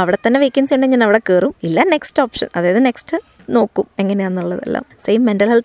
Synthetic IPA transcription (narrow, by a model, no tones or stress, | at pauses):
ɐʋiɽet̪ːɐnːeʋeːkʲːɐnsjuɳɖeɲaːnɐʋiɽekeːrumilːɐne̞ksʈoːpʂɐ̰nɐ̰ðaːjɐðɨne̞ksʈɨ | no̞ːkːume̞ŋːɐne̞jaːnːuɭːɐðḛlːa̰ːmsejmːendɐlɦel